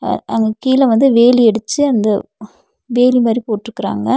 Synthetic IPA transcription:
ɐŋɡɐkiːlɐʋɐnd̪ɯʋeːliɛɽɯt͡ʃːɯɐnd̪ɐ | ʋeːlimaːd̪ɾipoːʈːɪɾɯkːɪɾa̰ːŋɡɐ

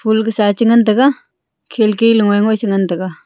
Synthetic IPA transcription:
pʰulksat͡ɕəŋənt̪əka | kʰelkeləŋojŋoɕəŋənt̪əka

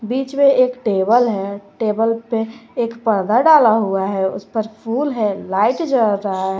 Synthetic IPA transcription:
biːt͡ʃmeeːkʈebəlɦɛʈebəlpeeːkpəɾd̪ʱaɖalaɦuaɦɛʊ̰spəɾpʰuːlɦɛlaiʈd͡ʒəɾːəɦaɦɛ

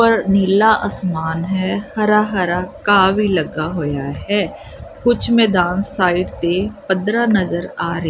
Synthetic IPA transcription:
pəɾniːlaːʔəsmaːnɦɛːhəɾaːɦəɾaːkaːʋiːləɡaːɦoːjaːɦɛː | kʊt͡ʃʰmɛːd̪aːnsaːiːʈt̪eːpəd̪ɾaːnəzəɾaːɾəe

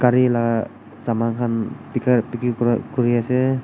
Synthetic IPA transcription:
kaɾilaka | samaŋkʰanpikarpikikuɾiasɛ

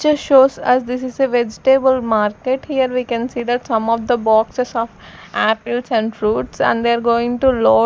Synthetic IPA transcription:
t͡ʃʃoːzəsd̪ɪsɪzeʋed͡ʒɪʈebəlmaːɾkeʈhiːəɾʋiːkə̃nsiːd̪æʈsʌ̃mɔːʋd̪əbɔːksesɔːfʔæpɪlsæ̃ɳɖɾuːʈsɛ̰̃ɳɖd̪eaɾɡoːɪ̃ŋʈulɔː

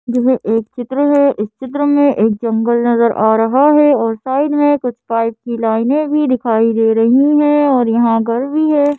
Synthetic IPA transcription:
d͡ʒoːɦɛʔeːk̚t͡ʃɪt̪ɾəɦɛʔɪst͡ʃɪt̪ɾəmẽʔeːk̚d͡ʒɐ̃ŋɡəlnɐzəɾʔaːɾɐɦaɦɛɔːɾsaːɪɖmẽkʊt͡ʃʰpaːɪp̚kilaːɪnẽbʱid̪ɪkʰaːid̪eːɾɐɦĩɦɛ̃ɔːɾjɐɦãɡɐɾbʱiɦɛː

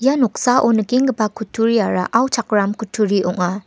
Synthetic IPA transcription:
janɔk̚saʔonɐɡiŋɡɐbakʰutʰuɾijaɾa̰ʔawt͡ʃʰak̚ɾamkutʰuɾiʔɔŋa

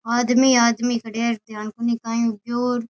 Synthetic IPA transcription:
aːd̪miːaːd̪miːkəɖeːɾd̪eaːnkoniːkãːjũːd͡ʒoːɾ

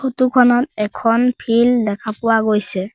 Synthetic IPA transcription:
xotukʰɔnɔt̚ɛkʰɔnpʰildɛkʰapʊwaɡojsɛ

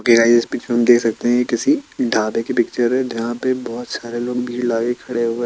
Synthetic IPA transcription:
kelaːɪsɪspit͡ʃʰeɐmd̪eːkʰsɐk̚t̪eɦɛ̃jekɪsiɖʱaːbekepɪk̚t͡ʃəɾɦɛːd͡ʒɐɦãpebɔːt̪saːɾeloːɡbʱilaːɡekʰɐɽeɦʊe

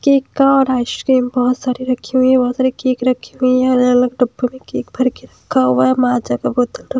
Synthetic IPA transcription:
keːkaɔːɾaːʃkeːmbɔɦʊt̪saːɾiɾɐkʰiɦʊiɛ̃bɔɦt̪saːɾikeːkɾɐkʰːiɦʊiɦɛɐləɐləɡɖɐbːomẽkeːkbʱɐɾkeɾɐkʰːaɦʊʋaɦɛmaːd͡ʒaɡaboːt̪əlɾɐ

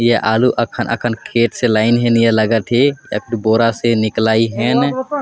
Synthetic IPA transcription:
jeʔaːluʔəkʰənʔə̰kʰənkʰeːʈselaːɪnɦɛ̃njələɡət̪ɦeə̰kʰniboɾasenɪklaːiɦɛn

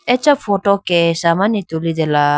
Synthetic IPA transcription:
ɛt͡ʃafʰɔʈɔkɛsamanit̪ulid̪ɛla

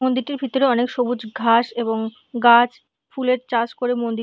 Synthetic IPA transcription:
ond̪iɾʈiɾbʱit̪oɾeɔnekʃobud͡ʑɡʱaʃeboŋ | ɡat͡ɕ | fuleɾt͡ɕaɾd͡ʑkoɾemond̪i

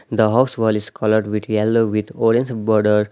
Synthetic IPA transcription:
d̪əɦaʊsʋɔliskʰɔləɾɖʋit̪ʰjɛloʋit̪oɾiə̃nsbɔɾɖəɾ

